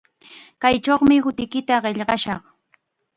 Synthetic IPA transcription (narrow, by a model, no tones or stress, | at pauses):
kajʈ͡ʂoχmɪhʊt̪ɪkɪt̪aɢeʎɢɑʃɑχ